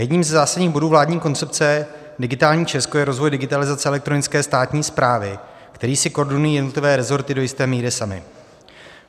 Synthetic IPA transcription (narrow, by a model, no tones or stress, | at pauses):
jɛdɲiːmzzaːsadɲiːɣbo̞duːvlaːdɲiːko̞nt͡sɛpt͡sɛ | dɪɡɪt̪aːlɲiːt͡ʃɛskojɛɾo̞zvo̞jdɪɡɪt̪alɪzat͡sɛʔɛlɛk̚t̪ɾo̞nɪt͡skɛːst̪aːt̪ɲiːspɾaːvɪ | kt̪ɛɾiːsɪkoɾdɪnujijɛdnot̪lɪvɛːɾɛzo̞ɾt̪ɪdo̞jɪst̪ɛːmiːɾɪsamɪ̰